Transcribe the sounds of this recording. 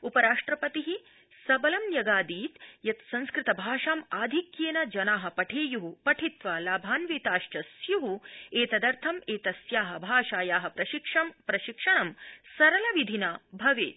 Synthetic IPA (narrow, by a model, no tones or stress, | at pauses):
upɐɾaːʂʈɾɐpɐt̪iɦi | sɐbɐlɐmjɐɡaːd̪iːt̪jɐt̪sɐ̃nskɾɪt̪ɐbʱaːʂaːmaːd̪ʱikjeːnɐd͡ʒɐnaːɦɐ̆pɐʈʰeːjuɦupɐʈʰit̪ʋaːlaːbʱaːnʋeːt̪aːʃt͡ʃɐsjuɦueːt̪ɐd̪ɐɾt̪ʰɐmeːt̪ɐsjaːɦɐ̆bʱaːʃaːjaːɦɐ̆pɾɐʃikʂɐmpɾɐʃikʂɐɳɐmsɐɾɐlɐʋid̪ʱinaːbʱɐʋeːt̪